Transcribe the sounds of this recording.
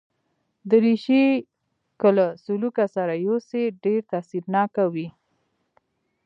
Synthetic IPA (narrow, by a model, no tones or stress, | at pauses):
d̪əɾiʃi | kəlasulukasaɾajoseɖeɾt̪asiɾnɑkawi